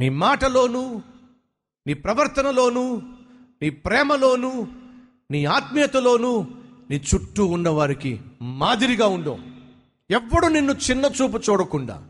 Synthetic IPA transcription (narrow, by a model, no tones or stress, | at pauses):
niːmaːʈɐlo̞ːnuː | niːpɾɐʋɐɾt̪ɐnɐlo̞ːnuː | niːpɾɛːmɐloːnuː | niːaːt̪mijɐt̪ɐlo̞ːnuːniːt͡ʃuʈːuːnːɐʋaːɾikimaːd̪iɾiɡaːuɳɖo̰ː | ɛʋːɐɽuninːut͡ʃinːɐt͡ʃuːp̬ut͡ʃuːɽɐkuɳɖa̰ː